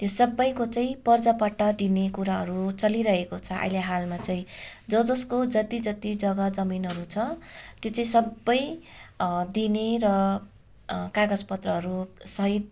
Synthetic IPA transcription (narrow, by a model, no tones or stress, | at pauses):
t̪josʌbːʌjkot͡saĩpʌrd͡zapʌʈːʌd̪inekuɾaɦʌɾut͡sʌliɾʌɦekot͡sʰʌʔa̰jleɦalmat͡sʌĩd͡zʌd͡zʌskod͡zʌt̪id͡zʌt̪id͡zʌɡʌd͡zʌminɦʌɾut͡sʰʌt̪jot͡sʌĩsʌbːʌj | d̪ineɾʌ | kaɡʌd͡zpʌt̪rʌɦʌɾusʌɦit̪̚